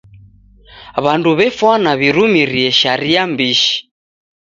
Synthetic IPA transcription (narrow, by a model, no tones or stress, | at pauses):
βanduβɛfwanaβiɾumiɾiɛʃaɾiambiʃi̥